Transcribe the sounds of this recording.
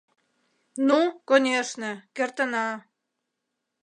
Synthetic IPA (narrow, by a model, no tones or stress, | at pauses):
nukonʲeʃnekert̪ə̆nɑ